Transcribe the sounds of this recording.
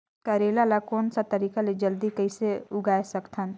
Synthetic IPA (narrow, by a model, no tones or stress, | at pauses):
kaɾeːlalakoːnsat̪əɾiːkaled͡ʒəld̪ikəɪseʊɡaːesəkt̪ʰən